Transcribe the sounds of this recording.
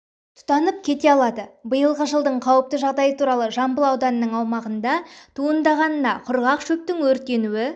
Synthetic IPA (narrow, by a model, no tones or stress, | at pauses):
t̪ʰʊ̥t̪ɑnəp̚kʲʰe̞t̪e̞ɑlˠɑd̪əbəjəlˠʁəʒəlˠd̪əɴqʰɑwəp̚t̪əʒɑʁd̪ɑjət̪ʰuɾɑlˠəʒɑmbəlˠɑwd̪ɑnəːəɴɑwmɑʁənd̪ɑt̪ʰuənd̪ɑʁɑnənɑqʰʊɾʁɑqʃɵp̚t̪ɪŋwɵɾt̪e̞nuwɪ